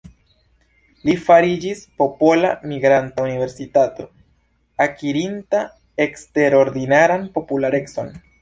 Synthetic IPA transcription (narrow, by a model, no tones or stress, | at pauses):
lifaɾid͡ʒispo̞po̞lamiɡɾantaunive̞ɾsitato̞ | akiɾinta | e̞kste̞ɾo̞ɾdinaɾanpo̞pulaɾe̞kso̞n